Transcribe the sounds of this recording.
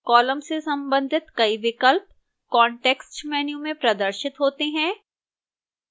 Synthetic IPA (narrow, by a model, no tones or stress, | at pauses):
kɔːləmsesɐ̃mbə̃nd̪ʱɪt̪kɐiʋɪkəlp̚ | kɔːɳʈeːksʈmɛːnjũmẽpɾɐd̪əɾʃɪt̪ɦoːt̪eɦɛ̃ː